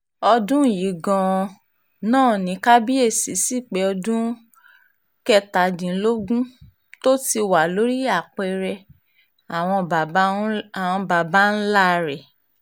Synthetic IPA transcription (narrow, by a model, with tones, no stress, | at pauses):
ɔ˧dũ˦˨ji˨˦ɡɔ̃˧ | nãː˦˨nĩ˨˦ka˦bi˦e˦˨si˨˦si˦˨k͡pɛ˨˦ɔ˧dũ˦ | kɛ˧ta˨dĩ˨˦lo˦ɡũ˦ | to˦ti˧wa˨lo˨˦ɾi˦a˦˨k͡pɛ˧ɾɛ˧ | a˨w̃ɔ̃˧˨˦a˨w̃ɔ̃˧ba˨ba˦n̩˦la˦˨˧ɾɛ˨